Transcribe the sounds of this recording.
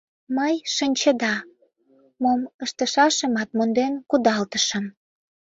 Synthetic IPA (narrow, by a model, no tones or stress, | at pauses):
məjʃənʲt͡ɕə̆d̪ɑ | moməʃt̪əʃɑʃə̆mɑt̪̚mond̪enkud̪ɑlt̪əʃə̆m